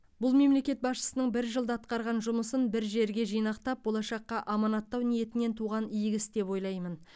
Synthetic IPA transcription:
bʊlˠme̞mle̞kʲe̞t̪̚bɑsʃə̥sənəɴbɪɾʒəlˠd̪əɑt̪qɑɾʁɑnʒʊməsənbɪɾʒe̞ɾɡʲe̞ʒijnɑqt̪ɑp̚bolˠɑʃɑqːɑʔɑmɑnɑt̪ːɑwnije̞t̪ɪne̞nt̪ʰuʁɑnijɪɡʲɪsd̪e̞pwo̞jlˠɑjmən

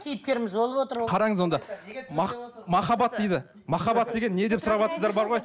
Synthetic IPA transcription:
kʲʰejɪp̚kʲe̞ɾɪmɪzbo̞lˠəpwot̪əɾqʰɑɾɑŋəzwo̞nd̪ɑmɑmɑχɑbɑt̪̚d̪ejd̪ɪ | mɑχɑbɑt̪̚d̪e̞ɡʲe̞nːe̞d̪e̞psʊɾɑβɑt̪səzd̪ɑɾbɑɾʁo̞j

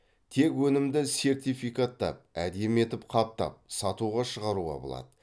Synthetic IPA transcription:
t̪ʰe̞kwɵnɪmd̪ɪse̞rt̪ijfijkat̪ːɑ̰p̚æd̪eme̞t̪ɪpqʰɑp̚t̪ɑ̰p̚sɑt̪uʁɑʃəʁɑɾuʁɑ̰bo̞̰lˠɑ̰d̪̥ə

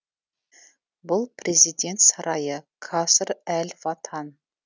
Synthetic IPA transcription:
bʊlˠpʰrʲe̞zʲijd̪ʲe̞nt̪sɑɾɑjəkʰɑsəɾælʲvɑt̪ʰɑn

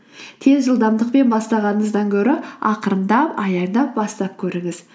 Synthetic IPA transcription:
t̪ʰe̞zʒəlˠd̪ɑmd̪əqpe̞nbɑst̪ɑʁɑnəɴəzd̪ɑŋkʲʰɵɾɪɑqəɾənd̪ɑpɑjɑɾd̪ɑp̚bɑst̪ɑp̚kʲʰɵɾɪŋɪz̥

